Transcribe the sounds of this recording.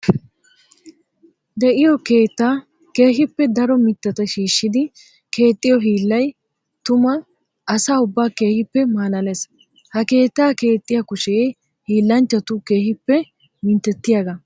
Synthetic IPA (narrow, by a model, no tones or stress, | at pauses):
d̪ɛʔɪjɔke̞ːt̪ːaː | ke̞ːɦɪpːɛd̪ɐɾɔmɪt̪ːɐt̪ɐʃiːʃːɪd̪ɪ | ke̞ːt̪ʼːɪjɔɦiːlːɐj | t̪ʊmɐ | ɐsaːʊbːaːke̞ːhɪpːɛmaːlɐles | hɐke̞ːt̪ːaːke̞ːt̪ʼːɪjɐkʊʃej | hiːlːɐnt͡ʃːɐt̪ʊke̞ːhɪpːɛ | mɪnt̪ːɛt̪ːɪjaːɡɐ